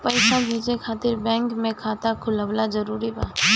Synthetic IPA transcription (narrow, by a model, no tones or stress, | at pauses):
pəɪsabʱeːd͡ʒekʰaːt̪ɪɾbɛ̃ːŋkmẽkʰaːt̪akʰʊləʋlad͡ʒəɾuːɾibaː